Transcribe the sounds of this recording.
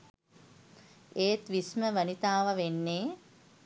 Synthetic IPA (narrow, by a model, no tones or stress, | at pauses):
eːt̪ʋisməʋənit̪aːʋəʋenːeː